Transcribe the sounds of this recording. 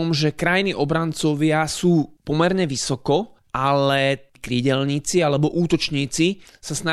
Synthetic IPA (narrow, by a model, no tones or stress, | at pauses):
mʒɛkɾajniʔɔbɾant͡sɔʋɪasuːpɔmɛɾɲɛʋisɔkɔ | ʔalɛkɾiːɟɛlɲiːt͡sialɛbɔʔuːt̪ɔt͡ʃɲiːt͡si | sasna